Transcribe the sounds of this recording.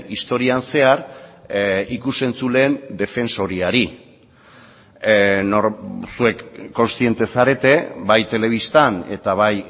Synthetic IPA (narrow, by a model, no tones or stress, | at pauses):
ist̪o̞ɾianse̞aɾ | ikuse̞nt͡sule̞ːnd̪e̞fe̞nso̞ɾiaɾi | noɾsue̞kːo̞nst̪ie̞nt̪e̞saɾe̞t̪e̞bajt̪e̞le̞β̞ist̪ane̞̰t̪aβaj